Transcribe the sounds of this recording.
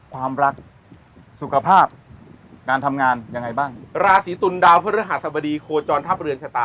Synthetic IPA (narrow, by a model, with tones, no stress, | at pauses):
kʰwaː˧mɾa˦˥k̚ | su˨˩kʰa˧pʰaː˥˩p̚kaː˧nt̪ʰa˧mŋaː˧nja˧ŋa˧jbaː˥˩ŋɾaː˧siː˩˦t̪u˧ndaː˧wpʰa˦˥ɾa˦˥ɦa˨˩t̪̚sa˧bɔ˧diː˧kʰoː˧t͡ɕɔː˧nt̪ʰa˥p̚ɾɯ˧ənsʰa˧t̪aː˧